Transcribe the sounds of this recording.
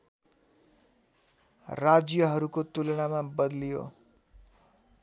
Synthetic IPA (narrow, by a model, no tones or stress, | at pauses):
rad͡zjʌɦʌɾukot̪ulʌɽ̃amabʌd̪lijo̰